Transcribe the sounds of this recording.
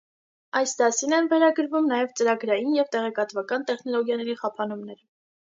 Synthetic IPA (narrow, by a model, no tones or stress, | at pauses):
ɑjsd̪ɑsinɛnvɛɾɑɡəɾvumnɑjɛvt͡səɾɑɡɾɑjinjɛvt̪ɛʁɛkɑt̪vɑkɑnt̪ɛχnɔlɔɡjɑnɛɾiχɑpʰɑnumnɛɾ